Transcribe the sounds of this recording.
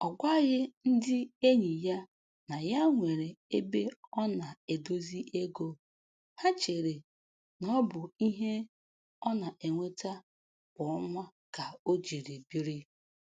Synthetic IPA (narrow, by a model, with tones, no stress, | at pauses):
ɔ˨ɡʷa˦ɣɪ˦n̩˦dɪ˦e˦ɲi˨ja˦ | na˨ja˦ŋʷe˨ɾe˨e˦be˦ɔ˦na˨e˨do˦zi˦ʔe˦ɡo˦ | ha˦t͡ʃe˨ɾe˨ | nɔ˦bʊ˨i˦ɦe˦ | ɔ˦na˨ʔe˨ŋʷe˦ta˦ | bɔ˨ɔ˦ŋʷa˦ | ka˨o˦d͡ʒi˨ɾi˨bi˦ɾi˦